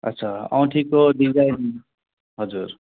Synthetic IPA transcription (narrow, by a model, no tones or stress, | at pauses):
ʌ̰tːsʰaʌ̰w̃ʈʰikoɖid͡zajn | ɦʌd͡zuɾ